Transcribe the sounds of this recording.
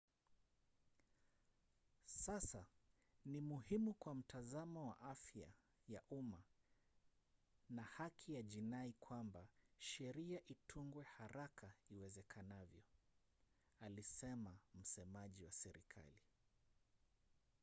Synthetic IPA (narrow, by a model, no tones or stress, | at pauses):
sasa | nimuhimukwam̩tʰazamɔwaʔafja̰ | jaʔuma | nahakʰijaʄinaikʰwambaʃɛɾiaʔitʰuŋɡwɛhaɾakʰaiwɛzɛkʰanavjɔ | alisɛmam̩sɛmaʄiwasɛɾḭkʰa̰li